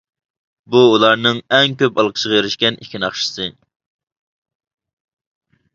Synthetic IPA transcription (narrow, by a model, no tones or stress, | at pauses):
buːlˠɑɾnɨŋɛŋkʲøpɑlˠqʰə̥ʃəʁɑjeɾɪʃkʲɛnikʲʰinɑχʃɨ̥sɨ